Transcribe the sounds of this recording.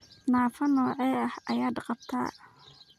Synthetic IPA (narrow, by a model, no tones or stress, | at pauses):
naːfɐnɔːʕɛːɐhʔɐjaːd̪qɑb̚t̪ʰa̰ː